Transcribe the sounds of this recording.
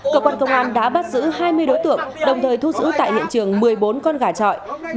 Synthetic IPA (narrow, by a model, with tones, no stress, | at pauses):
kəː˧kwaː˧nkə˧wŋ͡mʔaː˧nɗa̰ː˧˥ɓa˦˥t̚zɨ̰˧˥haː˧jmɨ˧əjɗo˨˦jt̪ɨ̰˧˨əŋɗə˨˩wŋ͡mt̪ʰəː˨˩jt̪ʰu˧zɨ̰˧˥t̪a̰ː˧˨jhḭ˧˨nt͡ɕɨ˨˩əŋmɨ˨˩əjɓo˨˦nkɔ˧nɣaː˧˩t͡ɕɔ̰˧˨j